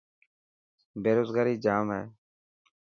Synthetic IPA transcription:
bʱeːɾoːzɡaːɾiːd͡ʒaːmɦɛː

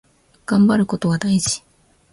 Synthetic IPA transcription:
ɡ̥ãmbaɾɯ̟ko̞t̪o̞βad̪aiʑi̥

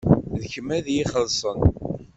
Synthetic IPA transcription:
ðçəmæðjiχəlsˤən

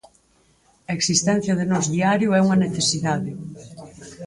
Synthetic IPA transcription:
ɐeksist̪ɛn̟θjɐð̞enɔzðiaɾjʊɛuŋɐneθesiðaðɪ

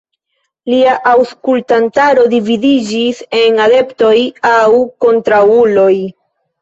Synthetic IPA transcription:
liaʔawskultantaɾo̞dividid͡ʒise̞nade̞pto̞jawko̞ntɾawulo̞j

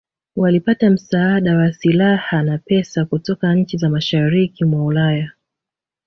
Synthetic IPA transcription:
walipatam̩saaɗawasilahanapɛsakutɔkaɲ̩t͡ʃizamaʃaɾikimwaulaja

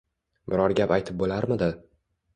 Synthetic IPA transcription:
bɪɾɒɾɡʲapajt̪ʰɪp̚bolaɾmɪd̪ɪ

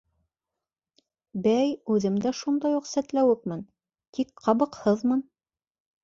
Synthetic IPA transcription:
bæjʉðɘmd̪æʃund̪ɑjuqsæt̪læwɘk̚mɘn | t̪ʰikqɑβɤ̆qhɤðmɤn

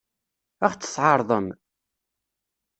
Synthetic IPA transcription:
æχt͡sːə̥sʕɑɾˤðˤəm

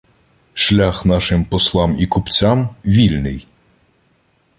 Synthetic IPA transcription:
ʃlʲaxnɑʃɪmpɔslˠɑmikʊpt͡sʲamʋʲilʲnɪ̰j

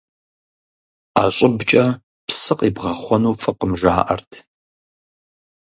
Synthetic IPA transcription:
aːɕʷʼɪbt͡ʃʼɐ | psɨqʼibʁɐχʷɔnuːfɨqəmʒa̰ːʔɐ̰rtʰ

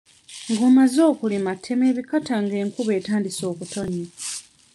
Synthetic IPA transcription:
ŋɡo̞ːmazo̞ːkulimatʰːeme̞ːβikataŋɡe̞ːŋkuβe̞ːtaːndiso̞ːkuto̞ɲe

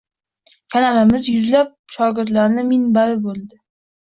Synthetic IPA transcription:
kʰanalɪmɪzjʊzlap̚ʃɒɡʲɪɾt̪laɾnɪmɪnbaɾɪbolˠd̪ɪ

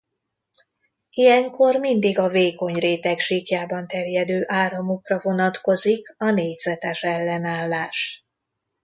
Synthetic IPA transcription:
ijɛŋko̞rmind̪iɡɒveːko̞ɲreːt̪ɛkʃiːkjaːbɒnt̪ɛrjɛd̪øːʔaːɾɒmokrɒvo̞nɒt̪ko̞zikɒneːɟz̥ɛt̪ɛʃɛlːɛnaːlːaːʃ

